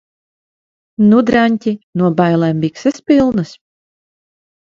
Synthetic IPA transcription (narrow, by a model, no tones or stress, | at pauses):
nud̪ɾanʲt̪ʲinuɔbajlˠɛmbiksɛspilˠnɨs